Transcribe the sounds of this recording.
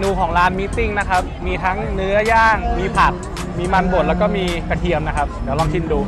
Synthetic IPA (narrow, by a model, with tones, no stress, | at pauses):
nuː˧kʰɔː˩˦ŋɾaː˦˥nmiː˦˧˥t̪i˥˩ŋna˦˥kʰa˦˥p̚miː˧t̪ʰa˦˥ŋnɯ˦˥ɐjaː˥˩ŋmiː˧pʰa˨˩k̚ | miː˧ma˧nko˨˩t̪̚lɛː˦˥wkɔː˥˩miː˧ka˧t̪ʰi˧əmna˦˥kʰa˦˥p̚d̪iː˩˦lɔː˧ŋt͡ɕʰi˧˩nduː˧